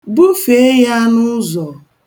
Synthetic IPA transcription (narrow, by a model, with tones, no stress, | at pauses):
bu˦fe˨˦e˦ja˦nʊ˦zɔ˨